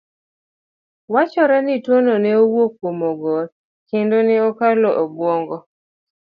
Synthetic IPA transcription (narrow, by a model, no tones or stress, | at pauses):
wat͡ʃɔɾɛnɪtwononɛowokwomoɡɔ | kɪndonɪɔkalɔʔobwoŋɡɔ